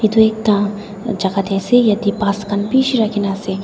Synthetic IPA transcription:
id̪uek̚t̪ã | d͡ʒɐkat̪ɛːsejɐt̪ipaːskɐnpiʃiɾakʰinase

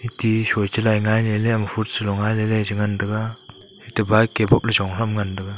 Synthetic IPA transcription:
itisɔjt͡ʃɯlajŋajleleamfʰut̚sɯlɔŋajlelezɯŋandɯɡa | hitɯbajkebɔp̚lazɔŋɾamŋandɯɡa

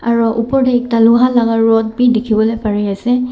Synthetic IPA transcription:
aɹuʔupɔɹdɛɛk̚taluɡʱalaɡaɹɔt̚bidikʰibɔlojpaɹiasɛ

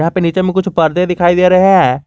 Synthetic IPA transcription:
aːpeːniːt͡ʃemĩːkʊt͡ʃʰpəɾd̪ed̪ɪkʰaːiːd̪eːɾəɦeɛː

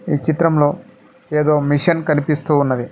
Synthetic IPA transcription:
iːt͡ʃit̪ɾɐmlo̞ː | eːd̪o̞ːmiʂɐnkɐnipist̪uːnːɐd̪i

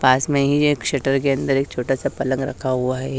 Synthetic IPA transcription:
paːsmẽɦid͡ʒkʂeːʈəɾk̬eɐ̃nd̪əɾeːk̚t͡ʃʰoːʈasapɐlə̃ŋɡɾɐ̰kʰaɦuaɦɛ

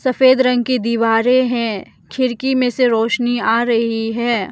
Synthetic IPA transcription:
sɐfeːd̪ɾɐ̃ŋɡ̚kid̪iːʋaːɾẽɦɛ̃ː | kʰɪɾkimẽseɾoːʃniaːɾɐɦiɦɛː

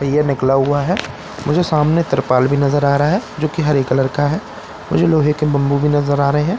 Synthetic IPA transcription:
ɐjanɪklaɦʊaɦɛː | mʊd͡ʒʱesaːmnet̪əɾpaːlbʱinɐzəɾaːɾɐaɦɛːd͡ʒoːkiɦɐɾeːkləɾkaɦɛː | mʊd͡ʒʱeloːɦekebɐ̃mbubʱinɐzəɾaːɾɐɦeɦɛ̃ː

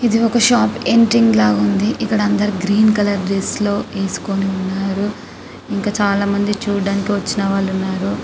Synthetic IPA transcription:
id̪iɔkɐʃaːpeɳʈɾiŋɡlaːɡund̪iʔikːɐɽɐɐnd̪ɐɾiɡɾiːnkɐlɐɾɖeslo̞ːe̞ːsu̥ko̞niunːaːɾu | iŋkaːt͡ʃaːlaːmɐnd̪it͡ʃuːɽaːnikiʋɐt͡ʃːinɐʋaːɭːunːaːɾu

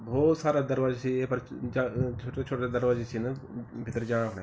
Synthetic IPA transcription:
bɔːt̪saːɾaːd̪əɾʋaːd͡ʒsʰieːpɐɾd͡ʒat͡ʃʰoːʈat͡ʃʰoːʈasad̪əɾʋaːd͡ʒat͡ʃʰinəbʱɪt̪ːəɾd͡ʒãːɽãɦoːɽaː

